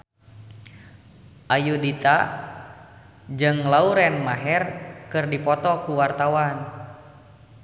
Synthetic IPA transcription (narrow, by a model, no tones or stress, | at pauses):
ʔajudit̪a | d͡ʒɨŋlauɾɛnmaɦɛrkɨrdipɔt̪ɔkuwart̪awan